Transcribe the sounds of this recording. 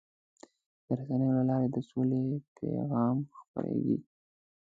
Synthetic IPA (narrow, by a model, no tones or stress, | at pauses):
d̪̥əɾasanəjolalɑɾed̪əsolepʰḛɣɑmxpə̰ɾḛɡḭ